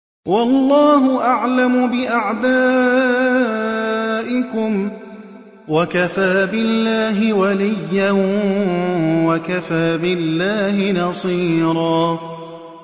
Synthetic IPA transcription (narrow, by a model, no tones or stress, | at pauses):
wɑlˤːɑːɦʊʔaʕlamʊbɪʔaʕd̪aː | ʔɪkʊm | wakafaːbɪlːaːɦɪwalɪjːan | wakafaːbɪlːaːhɪnɑsˤiːɾˤɑː